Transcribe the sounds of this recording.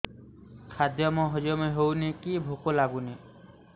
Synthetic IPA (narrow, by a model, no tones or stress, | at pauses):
kʰad̪jɔmɔɦɔd͡ʒɔmɔjɦownikibʱukolaɡuni